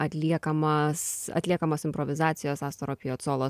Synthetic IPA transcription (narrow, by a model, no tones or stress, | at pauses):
ɐt̪ʲlʲiɛkɐmɐsɐ̰t̪ʲlʲiɛkɐmoːsɪmpɾɔʋʲɪzɑːt̪sʲɪjoːsɑːst̪oɾopʲɪjoːt̪soːlˠoː